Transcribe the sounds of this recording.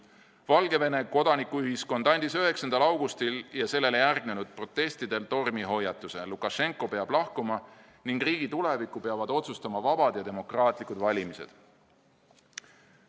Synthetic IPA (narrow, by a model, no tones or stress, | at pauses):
vɑlɡe̞ve̞ne̞ko̞d̪̥ɑnikuyɦisko̞nd̪̥ɑnʲd̪̥isyɦe̞ksɑnd̪ɑlɑwɡ̥ust̪iljɑse̞lːe̞lejærɡ̥ne̞nud̪̥̚pro̞t̪ːˑe̞st̪id̪e̞lt̪o̞rmiɦo̞jːɑt̪ːˑuse̞lukˑɑʃe̞ŋkˑo̞pe̞ɑb̥lɑhkumɑ | niŋɡ̥riːɡ̥it̪ule̞vikːˑupe̞ɑvɑd̪o̞t̪sust̪ɑmɑvɑb̥ɑd̪̥jɑd̪e̞mo̞krɑːt̪ˑlikˑud̪vɑlʲimise̞̰d̪̥